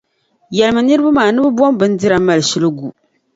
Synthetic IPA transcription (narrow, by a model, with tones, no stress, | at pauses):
jɛ˨lɨ˨mɨ˨nɨ˦ɾɨ˦ba˦maː˨nɨ˦bɨ˦bɔ˦mbɨ˦n˦di˦ɾa˨ma˨lʃɪ˦lɨ˦ɡu˨